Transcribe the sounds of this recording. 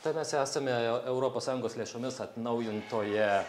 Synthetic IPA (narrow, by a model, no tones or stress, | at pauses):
t̪ɐɪmʲɛsæːsɐmʲɛɛʊɾoːpoːsːɑːjʊŋɡoːslʲeːʃomʲɪsɐt̪nɐʊjɪnt̪oːjɛ